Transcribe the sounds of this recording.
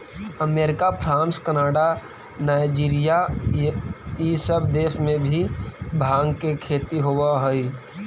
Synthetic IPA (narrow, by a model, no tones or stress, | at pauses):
əmeːɾɪkapʰɾãːnskənaːɽa | naːɪd͡ʒiːɾija | jisəbd̪eːʃmẽbʱibʱaːɡkekʰeːt̪iɦowaɦʊi